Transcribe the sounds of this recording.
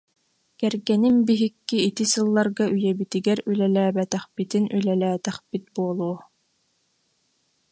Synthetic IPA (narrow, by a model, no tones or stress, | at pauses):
kɛɾɡɛninbiɦikːiːt̪isɯlˠːaɾɡaʔyjɛbit̪iɡɛɾylɛlæːbɛt̪ɛχpit̪inylɛlæːt̪ɛχpit̪̚buɔlˠuɔ